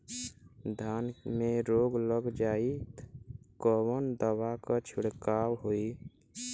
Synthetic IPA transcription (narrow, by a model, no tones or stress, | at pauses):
d̪ʱanmeɾoːɡləɡd͡ʒaːit̪kɔwənd̪əwakət͡ʃʰuɽkaːwɦoi